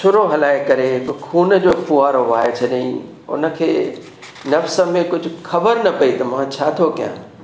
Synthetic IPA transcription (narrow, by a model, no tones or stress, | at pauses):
ʃʰʊɾoɦɐlaːɪkɐɾeɦɪkʊkʰuːnə̆d͡ʑoːfuaːɾoaːɦet͡ɕʰɐɗḭ̃ | ʊ̰nə̆kʰeː | nɐfsə̆mẽkʊd͡ʑʱʊ̆xʰɐbəɾnɐpɐit̪ɐmãt͡ɕʰaːt̪ʰokijã̰ː